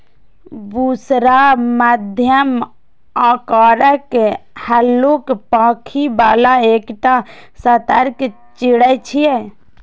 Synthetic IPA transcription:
duːsɾaməd̪ʱjəm | aːkaːɾəkhəlːukpãːkʰibaːlaeːkʈa | sət̪əɾk | t͡ʃɪɽət͡ʃʰije

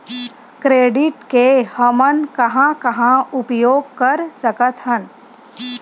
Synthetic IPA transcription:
kɾeːɖɪʈkehəmənkɐɦãkɐɦãʊpjoːɡ̚kɐɾsəkət̪ɦən

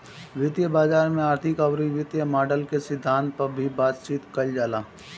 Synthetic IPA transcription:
ʋjɪt̪jəbaːd͡ʒaːɾmẽaːɾt̪ʰɪkɐwɾiʋɪt̪jəmaːɖəlkesɪd̪ʱːãːnt̪̚pɐɾbʱibaːt̪t͡ʃiːt̪kɐld͡ʒaːlaː

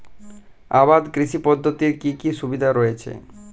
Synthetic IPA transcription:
abad̪kɾiʃipɔd̪ʱːot̪iɾkikiʃubid̪ʱaɾɔet͡ɕʰḛ

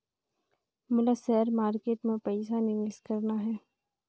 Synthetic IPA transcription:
mʊləsɛɾmaːɾkeːʈmẽpɛɪsanɪʋeskɐɾnaɦɛː

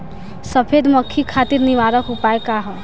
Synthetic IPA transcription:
səpʰed̪məkʰːikʰaːt̪iɾniʋaːɾəkɦʊpaekaɦɛ

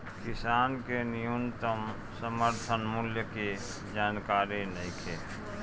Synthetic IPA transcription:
kɪsaːnkenijunt̪əm | səməɾt̪ʰənmuljəke | d͡ʒaːnkaːɾinəĩkʰe

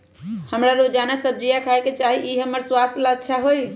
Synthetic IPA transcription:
həmɾaɾod͡ʒanɛsəb̚d͡ʒijakʰaeket͡ʃaɦiʔiɦəmːəɾswast̪ʰlətːʃʰaɦoj

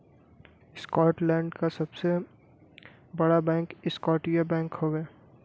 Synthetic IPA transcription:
skɔːʈlɛ̃ːɳɖkasɐbse | bɐɽabɛ̃ːŋkɪskɔːʈijabɛ̃ːŋkhoɡː

